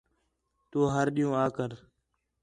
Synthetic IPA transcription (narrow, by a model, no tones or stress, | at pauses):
t̪oːɦəɾɗijõːaːkəɾ